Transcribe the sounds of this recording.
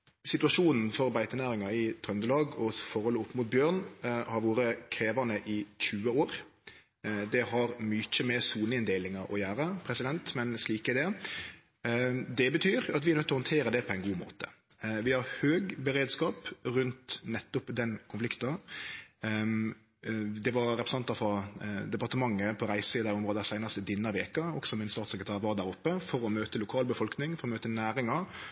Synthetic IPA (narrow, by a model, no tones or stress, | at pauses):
sɪt̪ʉɑʂuːnn̩fɔɾbæɪt̪ənæːɾɪŋɑɪt̪ʰœnd̪əlɑːɡɔsfɔɾhɔlːʊpːmʊt̪̚bjøːʁnhɑɾʋoːɾəkʰɾeːʋɑnəʔɪçʉːəoːɾ | d̪ɛhɑɾmyc͡çəmɛsuːnəɪnd̪eːlɪŋɑɔ̰jæːɾəpʰɾɛsɪd̪ɛnt̪mɛnsliːkɛd̪ɛ | d̪ɛbət̪ʰyːɾɑt̪ʋɪæɾnœt̪ːɔhɔnt̪ʰeːɾəd̪ɛpʰɔɛɪnɡuːmo̰ːt̪ə̥ | ʋɪhɑɾhøːɡbəɾeːd̪skɑːpɾʉnt̪nɛt̪ːʊpd̪ɛnkʰʊnflɪkt̪ɑ | d̪ɛʋɑɾɾɛpɾsɑnt̪ːɑfɔd̪ɛpɑɾʁt̪əmɑŋːəpʰɔɾæɪsiːd̪ɑɾɔmʁoːd̪sæɪnɑst̪əd̪ɪnːɑʋeːkɑɔɡ̥sɔmɪnst̪ɑːt̪sɛkɾət̪ʰæːʁʋɑːd̪æːɾʊpːəfɔɾɔmøːt̪əlʊkʰɑːlbəfɔlknɪŋfɔɾɔmøːt̪ənæːɾɪŋɑ